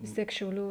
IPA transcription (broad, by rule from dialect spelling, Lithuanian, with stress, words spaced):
ʋʲɪs ˈtʲiɛk ʃʲɛʊˈlʲuː